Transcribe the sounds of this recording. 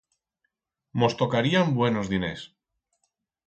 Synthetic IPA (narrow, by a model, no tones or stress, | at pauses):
mo̞st̪o̞kaɾiambwe̞nozðine̞̰s